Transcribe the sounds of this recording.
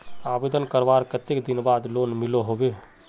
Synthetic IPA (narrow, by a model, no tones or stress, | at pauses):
aːbed̪ənkəɾbaɾket̪ekd̪inbaːd̪loːnmɪloɦobe